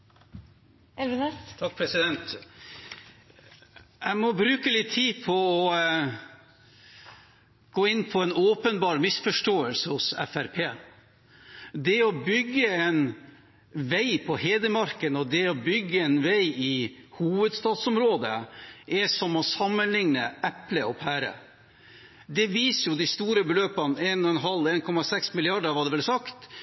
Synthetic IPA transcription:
ɛlɛt̪ʰɑk̚ːpʰɾɛsɪd̪ɛnt̪ | æɪmɔbɾʉːkəlɪt̪ʰːiːpʰɔɔ | ɡ̥oːɪnːpʰɔɛnoːpənbɑːɾmɪsfɔʂʈoːəlsəhʊsɛ̰fæɾpʰeː | d̪ɛɔbʏɡːəɛn | ʋæɪpʰɔheːd̪əmɑɾkənɔd̪ɛɔbʏɡːəɛnʋæɪʔɪhuːʋəd̪st̪ɑːd̪sɔmɾoːd̪ə̰ʔɛsɔmɔsɑmːənlɪŋnəʔɛpləɔpʰhæːɾə̰ | d̪ɛʋiːsəjʊd̪ɪst̪uːɾəbəløːpɑneːnɔɛnɦɑleːnkʰɔmɑsɛksmɪlɪɑɖəʋɑːɖ̪ɛʋɛlsɑkt̪

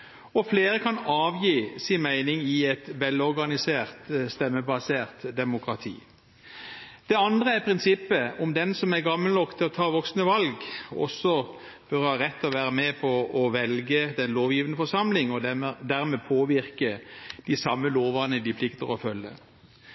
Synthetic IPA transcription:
ɔfleːɾəkʰɑnɑːʋjiːsɪnmæɪnɪŋɪɛt̪ʋɛlɔʁɡɑnɪseːʁt̪st̪ɛmːəbɑseːʁt̪d̪ɛmʊkʁɑt̪ʰḭː | d̪̥ɛɑnd̪ʁəæɾpʰʁɪnsɪpːəɔmd̪ɛnsɔmæɾɡɑməlnɔkt̪ʰːɪlɔt̪ʰɑːʋɔksnəʋɑlɡɔ̰sːɔ | b̥œʁhɑːʁɛt̪ːɔʋæːɾəmɛpʰɔːʋɛlɡəd̪ɛnloːʋjiːʋənəfɔsɑmlɪŋɔd̪æːʁmɛpʰoːʋɪʁkəd̪̥ɪsɑmːəloːʋəʁnəd̪ɪpʰlɪkt̪əʁɔfœlːə̰

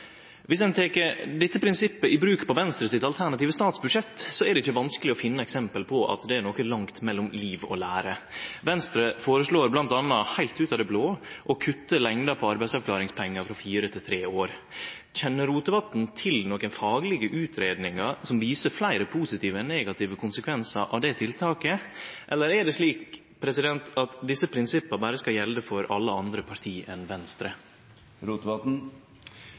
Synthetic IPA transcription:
ʋɪsd̪ɛnt̪ʰeːkəɾɖ̪ɪt̪ːəpʰɾɪnsɪpːəʔɪbɾʉːkpʰɔʋɛnst̪ɾəsɪt̪ɑlt̪ʰæɳɑt̪iːʋəst̪ɑːt̪sbʉdʂɛt̪ːsɔæɾɖɛɪçːəʋɑnskəlɪɔfɪnːəɛksɛmpəlpʰɔʔɑ̰t̪d̪ɛæɾɳoːkənlɑŋt̪mɛlːɔmliːʋɔ̰læːɾəʋɛnst̪ɾəfoːɾəʂɭoːɾblɑnt̪ɑnːɑhæɪlt̪ʉːt̪ɑd̪ɛbloːʔɔkʰʉt̪ːəlɛŋd̪ɑpʰɔɑɾbæɪsɑʋkʰlɑːɾɪŋspʰɛŋːəɾfɾɑfiːɾət̪ʰɪlt̪ʰɾeːoːɾ | c͡çɛnːəɾuːt̪əʋɑt̪n̩t̪ʰɪlnɔkənfɑːɡlɪɡəʔʉːt̪ʰɾeːd̪nɪŋɑɾsɔmʋiːsəɾflæɪɾəpʰuːsɪt̪ʰiːʋəneːɡɑt̪ɪːʋəkʰʊnsəkʰʋɛnsɑɾʔɑ̰ʋd̪ɛt̪ʰɪlt̪ʰɑːkəʔɛlːəɾɛɖɛʂliːk | pʰɾɛsɪd̪ɛnt̪ɑt̪d̪ɪsəpʰɾɪnsɪpːəbæːɾəskɑljɛld̪əfɔɾɑlːəɑnd̪ɾəpʰɑɾt̪ʰiːʔɛnʋɛnst̪ɾə | ɾuːt̪ɑt̪n̩

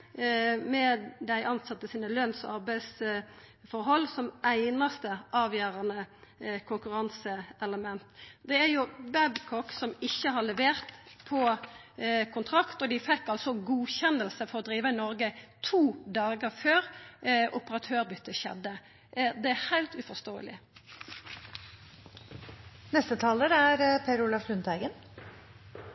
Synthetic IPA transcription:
mɛd̪æɪʔɑnsɑt̪ːəsiːnəlœnsɔɑʁbæɪs | fɔɾɦɔlːsɔmʔæɪnɑst̪əʔɑːʋjøːɾɑnəkʰʊŋkʉɾɑnsəɛləmɛnt̪d̪ɛæɾjʊbæbkʰɔksɔmɪçːəɦɑɭɛʋeːɾt̪pʰɔ | kʰʊnt̪ʰɾɑkt̪ɔd̪ɪfɛkːɑlsɔɡuːçɛnəlsəfɔɾɔd̪ɾiːʋəɪnɔɾɡət̪ʰuːd̪ɑːɡəføːɾʊpəʁɑt̪ʰøːʁbʏt̪ːəçɛ̰d̪ːə | d̪ɛæhæɪlt̪ʉfɔst̪oːə̰lɪ̰ | nɛst̪ət̪ʰɑːləɾæɾpʰeːɾʊlɑfɾʉnt̪æɪɡən

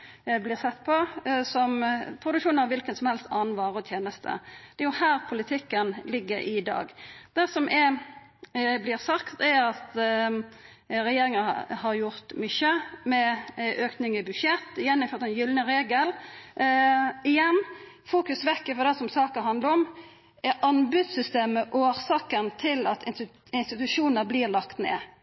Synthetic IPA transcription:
blɪʁsɛt̪ːpʰɔsɔmpʰɾʊd̪ʉkʃuːnɑʋɪlkənsɔmhɛlst̪ɑːnʋɑːʁɔt̪ʰjeːnəst̪ʰə̰d̪̥ɛjʊhæːɾpʰʊlɪt̪ʰɪkːənlɪɡːəɾɪd̪ɑ̰ːɡd̪̥ɛsɔmʔɛ | blɪɾsɑkt̪ɛɾɑt̪ | ɾɛjeːɾɪŋəhɑɾjʊɾt̪mʏçəmɛøːknɪŋɪbʉdʃjɛt̪ːɪjɛnːɪmfœːt̪ɛnjʏlnəɾeːɡəl | ɪjɛnː | fuːkʉsʋɛkːəfɔd̪ɛsɔmsɑːkəɾɦɑnd̪ləɾɔm | ɛɾʔɑnbʉd̪sʏst̪eːməʔoːɾsɑːkənt̪ʰɪlɑt̪ʰɪn | ɪnst̪ɪt̪ʉʂuːnəɾbliːʁlɑkt̪nḛː

